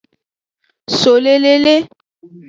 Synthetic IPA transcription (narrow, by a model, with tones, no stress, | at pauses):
so˨le˦le˦le˦